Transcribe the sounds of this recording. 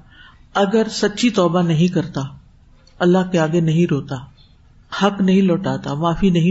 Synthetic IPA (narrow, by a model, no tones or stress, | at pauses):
ɐɡəɾsɐtːʃʰit̪ɔːbanɐɦĩkɐɾt̪aː | ɐlːaɦkeaːɡenɐɦĩɾoːt̪aː | hɐknɐɦĩlɔːʈaːt̪amaːfinɐɦĩ